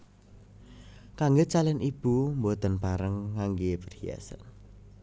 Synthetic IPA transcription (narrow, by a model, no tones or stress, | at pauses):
kaŋɡot͡ʃalɛnʔib̥umbot̪ənpaɾəŋːaŋɡepərhia̰sə̰n